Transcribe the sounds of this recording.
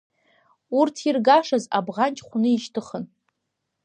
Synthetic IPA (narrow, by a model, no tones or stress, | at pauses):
urtʰirɡaʂaza̰bʁant͡ʃʼχʷunɨiʃtʰɨχən